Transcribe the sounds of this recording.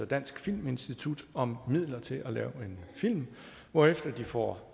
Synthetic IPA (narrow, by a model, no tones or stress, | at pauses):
ɐd̥æn̰sɡ̥fil̰me̝nsd̥it͡sʰud̥ɒ̽mːið̞̰ˠlɐt͡sʰe̝lʔælɛ̰ːʊe̝nfil̰m | ʋɒːefd̥ɐd̥ifɒ̰